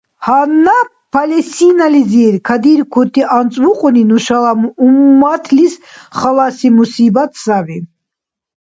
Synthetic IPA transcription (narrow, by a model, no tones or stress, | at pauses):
hanːa | pʰalɛsinaliziɾkʰad̪iɾkʰut̪ʼiʔant͡sʼvuqʼuninuʃalamumːat̪ʰlisχalasimusibat̪ʰsavi